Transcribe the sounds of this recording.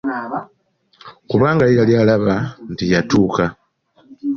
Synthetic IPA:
kuβaːŋɡaikaljalaβantijatuka

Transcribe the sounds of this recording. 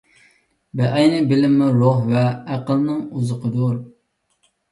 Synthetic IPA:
bɛʔɛjnɨbɪlɪmːɪɾoɦvɛːqəlˠnɨŋuzəqəd̪uɾ

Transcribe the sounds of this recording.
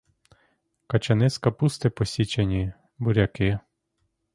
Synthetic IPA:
kɐt͡ʃɐnɪskɐpust̪ɪpɔsʲit͡ʃenʲi | bʊɾʲɐkɪ

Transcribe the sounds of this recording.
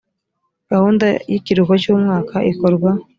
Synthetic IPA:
ɡ̥ahuːnda̰jiciɾukocuːmŋaːkaʔikoɾɡwa

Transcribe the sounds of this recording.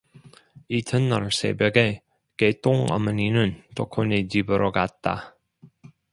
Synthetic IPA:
itʰɯnːʌɾsḛbjʌɡe | ket͈oŋʌ̰mʌninɯntokʰoned͡ʑibɯɾoɡat̚t͈a̰

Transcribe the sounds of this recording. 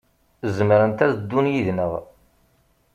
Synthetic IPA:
zəmɾənt̪æðd̪ːunjiðnəʁ

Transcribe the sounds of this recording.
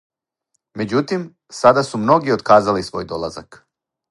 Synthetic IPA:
me̞d͡ʑut̪im | sad̪asumno̞ɡiod̪kaːzalisʋo̞̰ːjd̪o̞lˠazak

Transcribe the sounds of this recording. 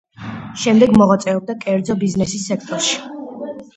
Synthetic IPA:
ʃɛmd̪ɛɡmɔʁat̪sʼɛɔb̚d̪akʼɛɾd̪zɔbiznɛsisːɛk̚ʰt̪ʼɔɾʃi̥

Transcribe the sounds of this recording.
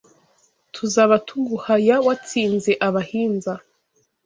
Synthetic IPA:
tʰuzaːβatʰuɡuhajawat͡siːnze̞ʔaβahiːnza

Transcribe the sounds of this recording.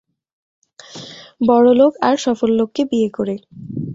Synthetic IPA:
bɔɽolokaɾʃɔfolːokːebiekoɾe

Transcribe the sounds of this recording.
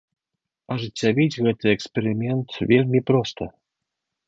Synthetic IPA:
aʐɨt͡sʲːavʲit͡sʲɣɛt̪ɨɛkspʲɛɾɪmʲɛnt̪vʲelʲmʲipɾɔst̪ə

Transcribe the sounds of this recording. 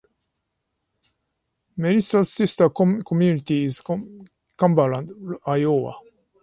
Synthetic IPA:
meɾisasist̪akkomjunit̪iːz | kãmbalãnd̪ajowa̰

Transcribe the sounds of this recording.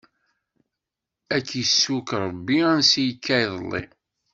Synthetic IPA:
ækːjisːukɾˤəbːiænsijkʰːæjðˤəlˤːḭ

